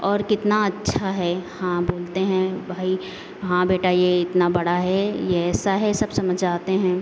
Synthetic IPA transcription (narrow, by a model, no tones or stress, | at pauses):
ɔːɾkɪt̪naɐtːʃʰaɦɛhãboːlt̪eɦɛ̃bʱaːi | ɦãbeːʈajeɪt̪nabɐɽaɦɛjeɛːsaɦɛsɐbsɐməd͡ʒaːt̪eɦɛ̃ː